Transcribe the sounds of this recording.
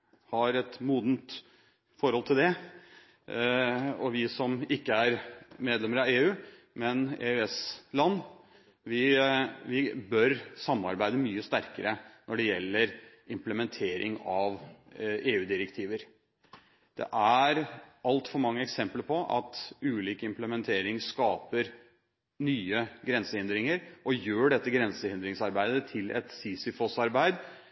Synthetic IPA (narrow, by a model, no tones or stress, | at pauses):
hɑɾɛt̪muːd̪nt̪ | fɔɾhɔlt̪ʰɪld̪ɛ | ɔʋɪsɔmɪkːəæɾmeːd̪lɛməɾɑʋeːʉː | mɛnḛːʉɛslɑnː | ʋɪʋɪbœɾsɑmːɑ̰ɾbæɪd̪əmyːəst̪æɾkəɾənɔɖɛjɛlːəɾ | ɪmpləmɛnt̪ʰeːɾʔɪ̰ŋɑʋ | eːʉːd̪ɪɾɛkt̪ʰiːʋəɾ | d̪̥ɛ̰ʔæɾɑlt̪fɔɾmɑŋːəɛksɛmpləɾpʰɔʔɑ̰t̪ʉːliːkəɪmpləmɛnt̪ʰeːɾɪŋskɑːpəɾ | nyːəɡɾɛnsəhɪnd̪ɾɪŋəɾʔɔjøːɖɛt̪ːəɡɾɛnsəhɪnd̪ɾɪŋsɑɾbæɪd̪ət̪ʰɪlɛ̰t̪siːsɪfɔsɑɾbæɪd̪